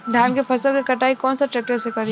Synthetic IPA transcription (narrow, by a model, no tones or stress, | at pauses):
d̪ʱjaːnkefʰɐsəlkekɐʈaːikɔːnsaʈɾɛːk̚ʈəɾsekɐɾi